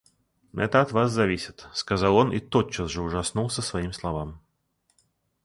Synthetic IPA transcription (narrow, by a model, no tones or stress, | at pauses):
ɛ̰t̪əːt̪vaszavʲisʲɪt̪skazaw̪ˠɔnʔḭt̪ɔtt͡ʃasʐɛuʐasnulˠsʲəsvajimslˠavam